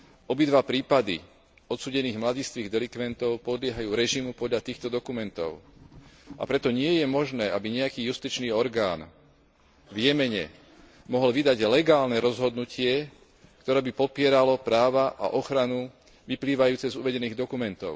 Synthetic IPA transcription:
ɔbid̪ʋapɾiːpad̪ḭ | ɔt̪suːɟɛniːɣmlaɟiːst̪ʋiːɣd̪ɛlikʋɛnt̪ɔʊpɔd̪lɪɛɦajuːɾɛʒimupɔd̪ʎat̪iːxt̪ɔd̪ɔkumɛnt̪ɔ̰ʊ | a̰pɾɛt̪ɔɲɪɛjɛmɔʒnɛːabiɲɛakiːjust̪it͡ʃniːɔɾɡaːn | ʋjɛmɛɲɛ̰ | mɔɦɔlʋid̪aɟlɛɡaːlnɛɾɔzɦɔd̪nucʰɪɛ | kt̪ɔɾɛːbipɔpɪɛɾalɔpɾaːʋaʔa̰ʔɔxɾanu | ʋipliːʋajuːt͡sɛzuʋɛɟɛniːɣd̪ɔkumɛnt̪ɔ̰ʊ

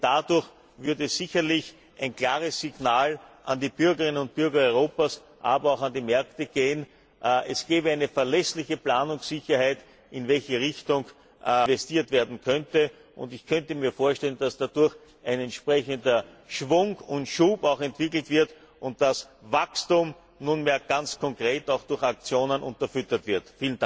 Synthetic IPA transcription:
d̥adʊɐç | vʏɐdəɛsz̥ɪçɐlɪç | ʔæɪnkl̥aːʁəsːɪɡnaːlʔandiːb̥ʏɐɡəʁɪnənʊnt̚b̥ʏɐɡɐɔʏʁ̞oːpas | ʔaːbɐɑʊxandiːmɛɐktəɡ̥eːən | ʔʔɛsɡ̥ɛːbəæɪnəfɛɐlɛslɪçəplaːnʊŋsɪçɐhæɪt | ɪnvɛlçəʁɪçtʊŋ | vɛstiːɐtv̥eːɐdn̩kʰœntə | ʔʊ̰ntɪçkʰœntəmiːɐfoːɐʃtɛlənd̥asd̥adʊɐç | ʔæɪnɛntʃpʁɛçəndɐ | ʃvʊŋʊntʃuːpaʊxɛntv̥ɪkl̩tv̥ɪɐt | ʔʊnt̚d̥asvakstuːm | nunmeːɐɡ̥ant͡skʰɔŋkʁeːtaʊxd̥ʊɐxak̚t͡sjoːnənʔʊ̰̃ntɐfʏtɐtv̥ɪɐtfiːlənda

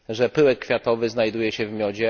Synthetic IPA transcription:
ʐɛpɘwɛkːfʲjat̪ɔvɘznajd̪ujɛɕɛvmʲjɔd͡ʑɛ

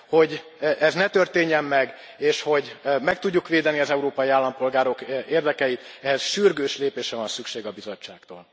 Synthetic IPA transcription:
ho̞ɟʔɛznɛt̪ørt̪eːɲːɛmːɛɡ | eːʃho̞ɟmɛk̚t̪uɟːukʋeːd̪ɛniɒzɛuɾoːpɒjiaːlːɒmpo̞lɡaːɾo̞keːrd̪ɛkɛjit̪ɛɦɛzʃyrɡøːʃleːpeːʃrɛvɒnsykʃeːɡɒbizot͡ʃːa̰ːk̚t̪o̰ːl

